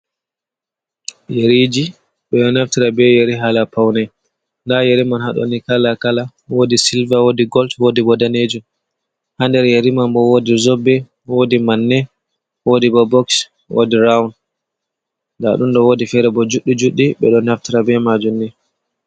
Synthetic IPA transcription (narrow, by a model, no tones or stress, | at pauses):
jeɾid͡ʒi | ɓɛɗɔnaftiɾabɛjeɾiɦalapawnɛ | ndajeɾimanhaɗɔ̰nikalakala | wodisilvawodiɡɔltwodibɔdaned͡ʒum | handɛɾjeɾimambɔwodizɔbːɛ | wodimanːɛ | wodibɔbɔks | wʔo̰diɾawn | nda̰ɗunɗɔwodifɛɾɛbɔd͡ʒuɗːid͡ʒuɗːiɓɛɗɔnaftiɾabɛmad͡ʒunːɛ